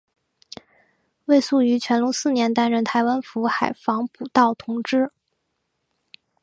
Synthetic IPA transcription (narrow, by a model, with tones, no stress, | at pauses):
we˥˧ɪsu˥˩y˧˥t͡ɕʰɥɛ˧˥nlʊ˧˥ŋsɹ̩˥˩njɛ˧˥nt̪a˥nɻə˥˩nt̪ʰa˧˥ɪwa˥nfu˧˥xa˨˩ɪfɑ˧˥ŋpu˨˩t̪ɑ˥˩ʊt̪ʰʊ˧˥ŋʈ͡ʂɻ̩˥